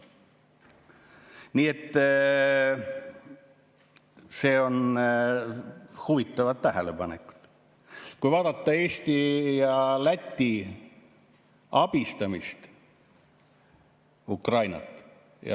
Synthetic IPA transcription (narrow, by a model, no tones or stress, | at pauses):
niːet̪ː | se̞ːo̞n | huvit̪ːˑɑvɑt̪ːæɦele̞pɑneku̥d̪̥ | kujvɑːd̪̥ɑt̪ːˑɑe̞ːsʲt̪ijɑlæt̪ʲːi | ɑb̥ist̪ɑmist̪ | ukrɑjnɑ̰t̪ːˑ | jɑ̰